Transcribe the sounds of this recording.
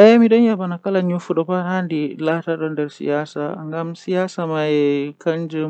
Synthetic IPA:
ʔajamidɔnjabanakɐlaɲufuɗɔɸanhandilaːtaːɗɔndɐrsḭjaːsaːʔa̰ŋɡamsijaːsaːmajɛkʰɐnd͡ʒɛm

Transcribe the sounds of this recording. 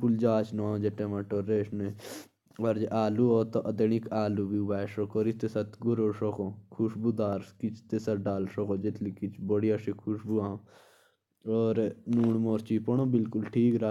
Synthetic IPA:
kuld͡ʒaːt͡ʃnãːd͡ʒeʈẽːmaːʈoːɾeːʃne | ɐɾd͡ʒʔaːluːoːt̪oʔɐd̪enikaːluːbiʋaːʃokoːɾist̪esɐt̪ɡʊɾoːʃokõːkʰuʃbuːd̪aːɾkit͡ʃʰt̪esɐɾɖaːlʃokoːd͡ʒet̪ʰlikit͡ʃʰbəɽijaʃikʰuʃbuãː | ɔːɾnuːɳmoːɾt͡ʃiːpɔɳõːbɪlkʊlʈʰiːkɾa

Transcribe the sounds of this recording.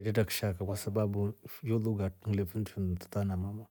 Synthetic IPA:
didakʃakawasababujoluɡat̩̚lepintʰuntu̥tanamama

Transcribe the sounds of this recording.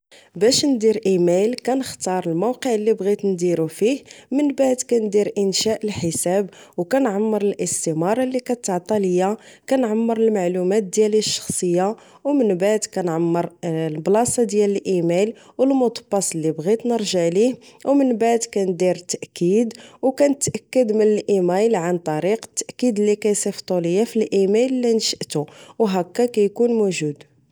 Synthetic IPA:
bæʃnd̪iɾʔimælkænəxt̪ɑɾˤəlmowqəʕəlːibɣit̪nd̪iɾufihmənbaʕd̪kænd̪iɾʔənʃæʔəlħəsæbwkænʕamːəɾˤəlʔəst̪imɑɾˤɑlːikæt̪ːəʕt̪ˤɑləjːakænʕamːəɾˤəlmaʕlumæt̪̚d̪jæliʃːɑ̥xsˤəjːa | wmənbaʕd̪kænʕamːəɾlblɑsɑd̪jæləlʔimæl | wəlmʊt̪ˤbɑsˤəlːibɣit̪nəɾˤʒaʕlihwmənbaʕd̪kænd̪iɾt̪ːaʔkːid̪wkænət̪ːʔækːəd̪mənəlʔimæjlʕant̪ˤɑɾiqə̥t̪ːæʔkːid̪lːikæjsˤift̪ˤuləjːæfilʔimællːinʃəʔt̪uwɦækːækæjkunmuʒud̪

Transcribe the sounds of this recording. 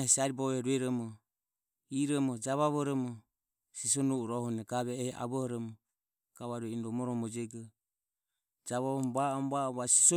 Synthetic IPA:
hɛsaɾibɔβɛɾuɛɾɔmɔ | iɾɔmɔd͡ʒaβaβɔɾɔmɔ | sisɔnuɾɔhɔnɛɡaβɛːhɛʔa̰βɔhɔɾɔmɔ | ɡ̥aβaɾuɛindɔmɔɾɔmɔd͡ʒɛɡɔ | d͡ʒaβaβɔmbaɔmbaɔβasi̥sɔ

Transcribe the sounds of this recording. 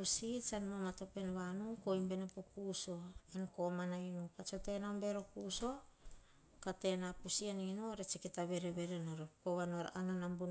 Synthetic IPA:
pusit͡ʃanmomato̞penβanukojmbe̞nepokuso̞enkomanainupat͡ʃote̞naombeɾokuso̞ | kate̞napusianinoɾet͡ʃikitaβe̞ɾeβeɾenoɾopoβanoaɾa̰ʔananambun

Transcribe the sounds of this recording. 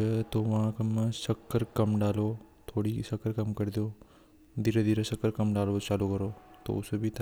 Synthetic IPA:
ət̪oʋaãkɐmːasɐkːəɾkɐmɖaːloː | t̪ʰoːɽiːsɐkəɾkɐmkəɾd̪joː | d̪iɾəd̪iːɾəsɐkːəɾkɐmɖaːlot͡ʃaːlukəɾot̪o̰ʊsəbʱit̪ʰ

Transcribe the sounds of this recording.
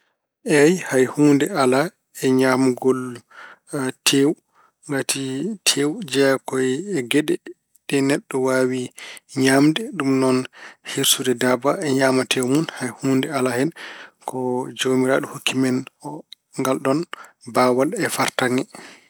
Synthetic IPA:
ʔɛjhajhuːndɛala | ɛɲamuɡɔl | tʰew | ŋɡatʰitʰewd͡ʒɛkɔjɛɡɛɗɛ | ɗɛnɛɗːɔwawiɲamdɛɗumnɔnhiɾsudɛdabaɛɲaːmatʰewmunhajhuːndɛalahɛnkɔd͡ʒoːmiɾa̰ːɗuhokːimɛnɔ | ŋɡalɗɔn | baːwalɛfaɾtaŋɛ

